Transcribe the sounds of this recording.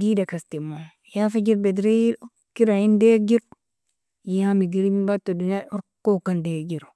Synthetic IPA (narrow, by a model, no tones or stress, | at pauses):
didakastima | jafed͡ʒiɾbedɾi | kiɾahindeɡiɾ | jamiɡiɾimibatːodunjaoɾkokandeɡiɾo